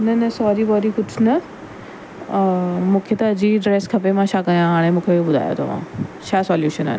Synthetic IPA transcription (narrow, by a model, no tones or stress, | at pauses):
nɐnɐsɔːɾibɔːɾikʊt͡ʃʰnɐ | mũːkʰet̪ɐːd͡ʑiɖɾeːskʰɐpemãʃaːkɐjãɦaːɽ̃ẽmũːkʰeobʊd̪ʱa̰ːjo̰t̪ɐ̰ʋ̤ã̰ːt͡ɕʰaːsɔːljuːʃəna̰n